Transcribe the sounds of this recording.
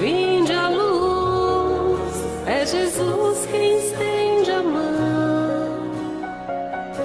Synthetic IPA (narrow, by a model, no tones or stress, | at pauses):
vĩd͡ʒalu | s | ɛʒezuskɪist̪ẽj̃d͡ʒamɐ | w̃